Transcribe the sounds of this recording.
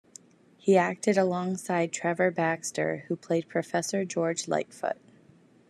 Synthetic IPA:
hiæk̚tɨɾəlɔ̃ŋsaɪd̚tʰɹ̥ɛvə˞bækstə̰˞hupʰl̥eɪd̚pʰɹ̥ɨfɛsə˞d͡ʒɔɹd͡ʒla̰ɪtfʊ̰t̚

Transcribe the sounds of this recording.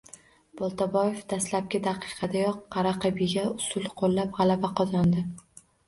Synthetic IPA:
b̥ɒlˠt̪ʰabɒje̞fd̪aslap̚ɡʲɪd̪ɑqʰɨ̥qʰɑd̪ajɒqːɑɾaqʰɨbɪɡʲaʊsʊlˠqʰolˠːapʁɑlabaqʰɒzɒnd̪ɪ

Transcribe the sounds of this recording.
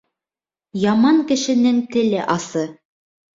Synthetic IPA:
jɑmɑŋkɘ̆ʃɘ̆nɘŋt̪ɘ̆lɘʔɑsɤ

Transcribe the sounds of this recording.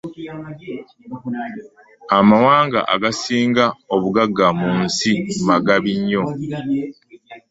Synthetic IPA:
amawaːŋɡa̰ʔa̰ɡasiːŋɡaoβuɡaɡːamunsimaɡaβiɲːo̞

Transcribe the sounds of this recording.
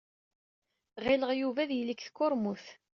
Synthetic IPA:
ʁɪləʁjuvæðjəlːikθkːʊɾˤmuθ

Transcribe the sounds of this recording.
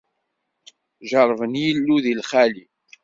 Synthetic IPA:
ʒəɾˤvənjəlːuðilχæli

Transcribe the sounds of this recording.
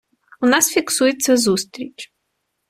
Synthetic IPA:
ʊnɑsfʲiksujet͡sʲːɐzust̪ɾʲit͡ʃ

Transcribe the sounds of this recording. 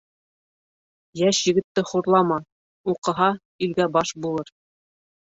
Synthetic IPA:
jæʃjɘ̆ɡɘ̆t̪ːɘχuɾlˠɑmɑ | uqɤ̆ɦɑ | ilɡæbɑʃbulˠɤɾ

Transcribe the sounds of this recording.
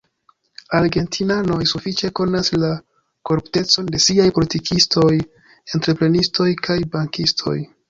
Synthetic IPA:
aɾɡe̞ntʰinano̞jsufit͡ʃe̞ko̞nasla | koɾupte̞t͡so̞nde̞siajpo̞litikʰisto̞j | e̞ntɾe̞pɾe̞nistʰo̞jkʰajbaŋkistʰo̞̰j

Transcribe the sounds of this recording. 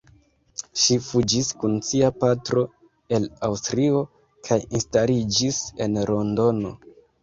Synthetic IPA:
ʃifud͡ʒiskunsiapatɾo̞ | e̞lawstɾio | kʰajinstalid͡ʒise̞nɾo̞ndo̞no̞̰

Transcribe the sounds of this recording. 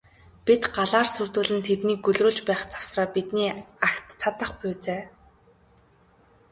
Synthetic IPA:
pit̪ɢaɮaːrsɵrt̪uːɮɘ̆nt̪ʰet̪niːkɵɮroːɮt͡ɕpæːχt͡sḁw̥sraːpit̪niːakt̪t͡sʰat̪ə̆χpʊːt͡seː

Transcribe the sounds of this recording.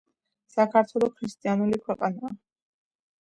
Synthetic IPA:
sakʰaɾt̪ʰwɛlˠɔkʰɾist̪ʼianulikʰwɛqʼanaː

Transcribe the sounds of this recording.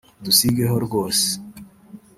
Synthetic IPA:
d̪usiɡeɦoɾɡos

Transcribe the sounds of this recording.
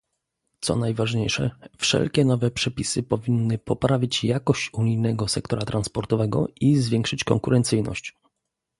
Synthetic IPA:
t̪sɔ̰najvaʐɲejʂɛ̰fʂɛ̰lkʲɛnɔvɛpʂɛpʲisɘpɔvʲinːɘpɔpɾavʲit͡ɕjakɔɕt͡ɕuɲijnɛɡɔsɛkt̪ɔɾat̪ɾanspɔɾt̪ɔvɛɡɔ̰ʔizvʲjɛŋkʂɘt͡ɕkɔŋkuɾɛnt̪sɘjnɔ̰ɕt͡ɕ

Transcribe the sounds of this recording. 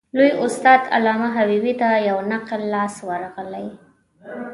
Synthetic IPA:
lujʊst̪ɑd̪a̰lɑmaɦawiwit̪ajawnaqlːɑswaɾɣəlaj

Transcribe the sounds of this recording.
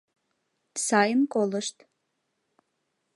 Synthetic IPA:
saːjɨmkʼolɨʂt̪ʰʼ

